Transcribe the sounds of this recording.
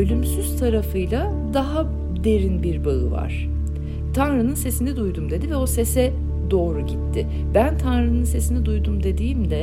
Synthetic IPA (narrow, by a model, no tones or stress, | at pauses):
ølʲymsyz̥t̪ʰaɾafɯjlˠa | d̪aɦa | d̪e̞ɾinbiɾbaɯ̰va̰ɾ̝̥ | t̪ʰanɾɯnɯnse̞sinɛd̪ujd̪umd̪e̞d̪ivɛo̞se̞sɛ | d̪o̞ːɾuɟit̪ʰːɪ | bænt̪ʰanɾɯnɯnse̞sinɛd̪ujd̪umd̪e̞d̪iːmd̪ɛ